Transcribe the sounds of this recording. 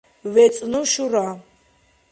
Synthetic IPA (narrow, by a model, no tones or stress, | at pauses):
wɛt͡sʼnɨʃuɾa